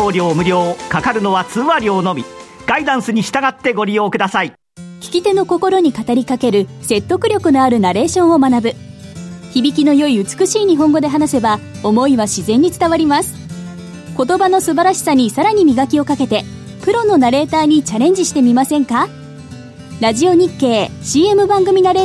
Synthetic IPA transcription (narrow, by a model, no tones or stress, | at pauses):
oːɾʲo̞ːmɯ̟ɾʲo̞ːkakaɾɯ̟no̞βat͡sɨːaɾʲoːno̞mʲi | ɡ̥aid̪ãɰ̃sɨɲ̟iɕi̥t̪aɡat̪ːe̞ɡo̞ɾʲijo̞ːkɯd̪asai | kʲi̥kʲit̪e̞no̞ko̞ko̞ɾo̞ɲ̟ikat̪aɾʲikake̞ɾɯ̟se̞t̪ːo̞kɯ̟ɾʲo̞kɯ̟no̞aɾɯ̟naɾe̞ːɕõ̞ɰ̃o̞manabɯ̟ | çibʲikʲino̞jo̞iɯ̟t͡sɨ̥kɯ̟ɕiːɲ̟iɦõ̞ŋɡod̪e̞ɦanase̞bao̞mo̞iβaɕizẽ̞ɲ̟ːit͡sɨ̥t̪aβaɾʲimasɨ̥ | ko̞t̪o̞bano̞sɨbaɾaɕi̥saɲ̟isaɾaɲ̟imʲiɡakʲio̞kake̞t̪e̞ | pɯ̟ɾo̞no̞naɾe̞ːt̪aːɲ̟it͡ɕaɾẽ̞ɲ̟d͡ʑiɕi̥t̪e̞mʲimasẽ̞ŋka | ɾaʑio̞ɲ̟ikːe̞ːɕiːe̞mɯ̟bãŋɡɯ̟mʲinaɾeː